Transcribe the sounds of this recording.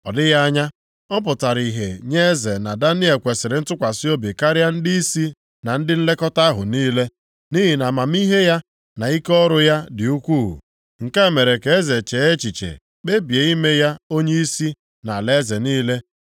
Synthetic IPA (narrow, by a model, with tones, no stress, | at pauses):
ɔ˨dɪ˦ɣa˦ɲa˦ | ɔ˦p̬ʊ˨ta˨ɾi˨ɦe˨ɲe˦e˦ze˨na˨da˦ni˦e˨kʷe˨sɪ˨ɾɪ˨n̩˦tʊ˦kʷa˨sɪ˦o˦bi˨ka˦ɾɪ˦a˦n̩˦di˦i˦si˦ | na˨n̩˦dɪ˦n̩˦le˦kɔ˦ta˦ɦʊ̰˨niː˦le˦ | ni˦ɦi˨na˨ma˨m̩˦i˦ɦe˦ja˦ | na˨i˦kɔ˦ɾʊ˦ja˦dɪ˨u˦kʷṵ˦˨ | ŋ̩˨ka˦e˦˨me˨ɾe˨ke˨e˦ze˨t͡ʃe˨˦e˦t͡ʃi˨t͡ʃḛ˨ | k͡pe˦bi˨e˨i˦me˦ja˦o˦ɲe˦i˦si˦ | na˨le˦ze˨niː˦le˦